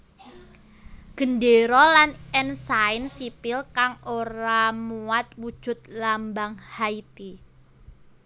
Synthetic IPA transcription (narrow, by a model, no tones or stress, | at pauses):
ɡ̥ə̤ndeɾɔlanɛnsaɪnsipɪlkaŋoɾamuwat̪̚wud̥ʒ̥ʊ̤t̪̚lambaŋhait̪i